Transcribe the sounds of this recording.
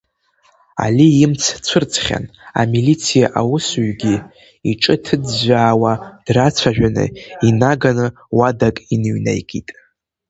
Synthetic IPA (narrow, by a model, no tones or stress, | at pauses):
a̰liimt͡sʰt͡sʷʰɨrt͡sʰʼχʲa̰na̰milit͡sʰijaʔawʊsɥɡʲi | iʈ͡ʂʼɨtʰɨd͡zʒʷaːwad̥rat͡sʷʰaʒᶣanɨ̰inaɡanɨ | wadakʼinɥnḛjkʼitʼ